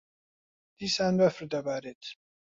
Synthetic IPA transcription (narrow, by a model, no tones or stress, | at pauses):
d̪̥iːsaːnbɐfəɾd̪ɐbaːɾeːt̪ʰ